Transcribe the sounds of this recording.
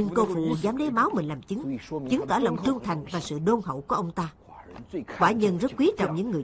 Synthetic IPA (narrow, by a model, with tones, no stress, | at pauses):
i˧nko˧fṵ˧˨zaː˨˦mɗə˨˦jmaː˨˦wmï˨˩ŋ̟laː˨˩mt͡ɕɨ˨˦ŋt͡ɕɨ˨˦ŋt̪əː˧˩lə̰˧˨wŋ͡mt̪ɨ˧əŋt̪ʰa˨˩jŋ̟vaː˨˩sɨ̰˧˨ɗo˧nhə̰˧˨wku˧˩əʔə˧wŋ͡mt̪aː˧ | ɓwaː˧˩ɲə˧nzə˦˥t̚kwi˨˦t͡ɕɔ̰˧˨wŋ͡mɲɨ̰˧˥ŋːɨ˨˩